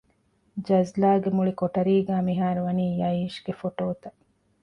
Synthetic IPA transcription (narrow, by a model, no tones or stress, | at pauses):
d͡ʒɐzlaːɡemuɭikoʈɐɾiːɡæːmiɦaːɾuʋɐniːjɐiːʃɡ̥efoʈoːt̪ɐ